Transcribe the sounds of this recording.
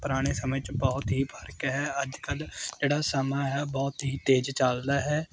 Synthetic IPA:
pʊɾaːɽ̃eːsəmət͡ʃbɔːt̪ɦiːpʰəɾkɦɛːəd͡ʒkəld͡ʒeːɽaːsəmaːɦɛːbɔːt̪ɦiːt̪eːd͡ʒt͡ʃaːld̪aːɦɛː

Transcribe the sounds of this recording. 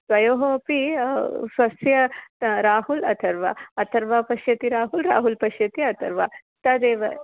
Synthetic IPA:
sʋɐjoːɦopi | sɐsjɐɾaːhulɐt̪ʰɐɾʋa̰ɐt̪ʰɐɾʋaːpɐʃjɐt̪iɾaːɦulɾa̰ːɦulpɐʃjɐt̪iɐt̪ʰɐɾʋaː | t̪ɐd̪eːʋɐ

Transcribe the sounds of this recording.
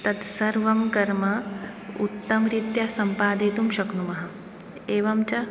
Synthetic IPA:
t̪ɐt̪sɐɾʋɐmkɐɾmɐ | ut̪ːɐmɾit̪jɐsɐmpaːd̪eːt̪umʃɐknumɐɦɐ | eːʋɐmt͡ʃɐ

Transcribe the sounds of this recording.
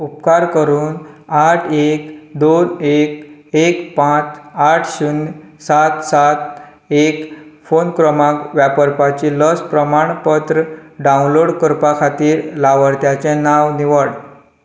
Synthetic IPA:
upkaɾkəɾuːn | aʈʰekd̪onekekpãt͡saʈʰɕun | sat̪sat̪̚ | ekfonkɾəmakʋjapəɾpat͡ɕiləspɾəmaɳpət̪ɾəɖaunloɽkəɾpakʰat̪iːɾlaʋəɽt̪jat͡ɕẽnaʋniʋəɽ

